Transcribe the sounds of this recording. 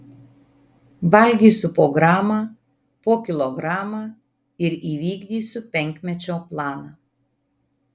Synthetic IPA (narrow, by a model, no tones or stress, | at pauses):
ʋɐlʲɡʲiːsʊpoːɡɾɑːma | poːkʲɪlˠɔɡɾɑːmaː | ɪɾiːʋʲiːɡʲd̪ʲiːsʲʊpʲɛŋʲkʲmʲɛt͡ʃʲoːplˠɑːnɑ